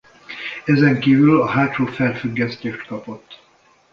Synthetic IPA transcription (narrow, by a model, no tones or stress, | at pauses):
ɛzɛŋkiːvylɒɦaːt̪ʃoːfɛlfyɡːɛst̪eːʃt̪kɒpo̞t̪ː